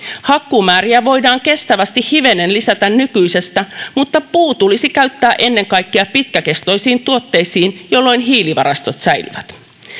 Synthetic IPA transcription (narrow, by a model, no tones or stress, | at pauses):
hɑkːumæːɾiæʋo̞jdɑːŋke̞st̪æʋæst̪ihhiʋe̞ne̞nlisæt̪ænnykyjse̞st̪æmut̪ːɑpuːt̪ulisikæɥt̪ːæːʔe̞nːe̞ŋkɑjkːeɑpit̪kæke̞st̪o̞jsiːnt̪uo̞t̪ːe̞jsiːnjo̞lːo̞jnɦiːliʋɑ̰ɾɑst̪o̞t̪sæjly̰ʋæt̪